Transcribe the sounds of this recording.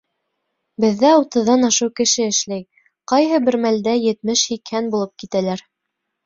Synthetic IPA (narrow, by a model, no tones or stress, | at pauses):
bɘ̆ðːæut̪ɤ̆ðːɑnɑʃɤwkɘ̆ʃɘɘ̆ʃlæj | qɑjɦɤbɘ̆ɾmæld̪æjɘ̆t̪mɘʃhikhænbulˠɤp̚kit̪ælæɾ